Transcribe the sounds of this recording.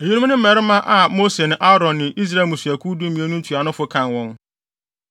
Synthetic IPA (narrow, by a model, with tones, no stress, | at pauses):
e˨ɲu˦nũ˦nɪ̃˦m̩˦mɛ˨ɾɪ˦mã˦ʔa˨mo˦se˨nɪ̃˨ʔa˦ɾɔ̃˨nːɪ̃˨ʔi˦s̬ɾa˨mũ˨sæ˨kʰu˦du˦m̩˦ĩ˨e˦nũ˦n˦tʰu˨a˨nʊ̃˦fʊ˦kʰã˨nwɔ̃˦ŋ